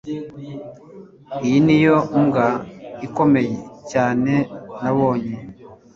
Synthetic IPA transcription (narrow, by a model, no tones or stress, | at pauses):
ijinijo̞uŋɡaiko̞me̞jecaːne̞naβo̞ːɲe